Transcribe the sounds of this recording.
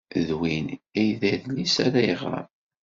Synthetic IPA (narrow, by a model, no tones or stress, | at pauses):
ðwinæjðæðlisaɾæjəʁɾˤə̰m